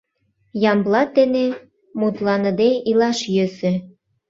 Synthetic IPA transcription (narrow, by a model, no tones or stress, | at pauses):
jɑmblɑt̪ːene | mut̪lˠɑnə̆d̪eilɑʃjøsĕ